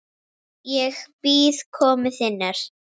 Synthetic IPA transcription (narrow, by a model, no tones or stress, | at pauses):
jɛɣpiːðkʰɔːmɪθɪnaɾ̥